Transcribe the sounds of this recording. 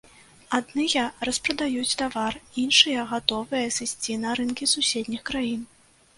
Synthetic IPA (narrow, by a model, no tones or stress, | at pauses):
ad̪nɨjɐrɐspɾɐd̪ajut͡sʲt̪avarinʂɨjɐɣat̪ɔvɨjɐsɨsʲt͡sʲinɐɾɨnkʲisusʲed̪ʲnʲixkɾajin